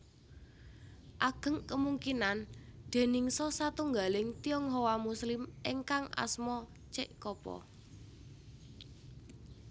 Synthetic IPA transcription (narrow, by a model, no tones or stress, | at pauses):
ʔaɡ̥ə̤ŋkəmuŋkinand̪̥e̤nɪŋsɔsat̪uŋɡalɪŋt̪iɔŋɦowamuslɪmʔeŋkaŋʔa̰smɔ | t͡ʃɪʔkɔpɔ̰